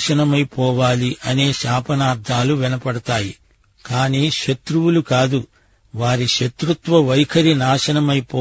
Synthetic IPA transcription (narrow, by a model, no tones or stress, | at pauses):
ʃɐnɐmɐjpɔːʋaːliʔɐne̞ːʃaːpɐnaːɾd̪ʱaːluʋinɐpɐɽɐt̪aːji | kaːniːʃɐt̪ɾuwulukaːd̪u | ʋaːɾiʃɐt̪ɾut̪ʋɐʋɐjkʰɐɾinaːʃɐnɐmɐjpɔː